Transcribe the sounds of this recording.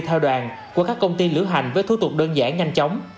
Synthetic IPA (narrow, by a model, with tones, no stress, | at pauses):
t̪ʰɛ˧wɗwaː˨˩n | ku˧˩əkaː˦˥kːə˧wŋ͡mt̪i˧lɨ̰˧˥ɦa̰˨˩jŋ̟vəː˨˦jt̪ʰu˨˦t̪ʊ˨˩k͡p̚ɗəː˧nza̰ː˧˥˩nɲa˧jŋ̟t͡ɕa˨˦wŋ͡m